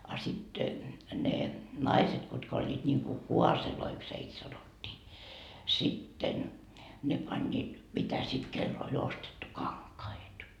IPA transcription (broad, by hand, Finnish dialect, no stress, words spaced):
ɑ sit ne nɑiset kutkɑ olʲːiːt niŋku kuɑseloiks heit sɑnotʲːiː sitːen ne pɑnʲːiːt mitæ sit kelː olʲ ostetːu kɑŋkɑit